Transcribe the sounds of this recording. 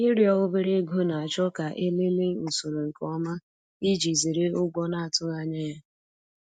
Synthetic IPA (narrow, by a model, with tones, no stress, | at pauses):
i˦ɾjɔ˦ɣʊ˦be˦ɾe˦ɡu˦na˨a˨t͡ʃɔ˦ka˨ʔe˦le˦le˦u˨su˨ɾo˨ŋ̩˨kɔ˦ma˦ | i˦d͡ʒi˨zi˨ɾe˦ʊ˦ɡʷɔ˦na˦a˨tʊ˦ɣa˦ɲe˦ja˦